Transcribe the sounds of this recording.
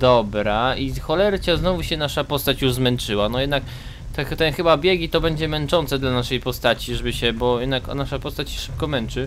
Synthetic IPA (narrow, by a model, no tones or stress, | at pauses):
d̪ɔbɾaixɔlɛɾt͡ɕaznɔvuɕɛnaʂapɔst̪at͡ɕjuʐzmɛnt͡ʂɘwanɔjɛd̪nak | t̪ɛt̪ɛnxɘbabʲjɛɡʲit̪ɔbɛɲd͡ʑɛmɛnt͡ʂɔnt̪sɛd̪lanaʂɛjpɔst̪at͡ɕiʐɛbɘɕɛbɔjɛd̪naknaʂapɔst̪at͡ɕɕɛ̥ʂɘ̥p̚kɔmɛnt͡ʂɘ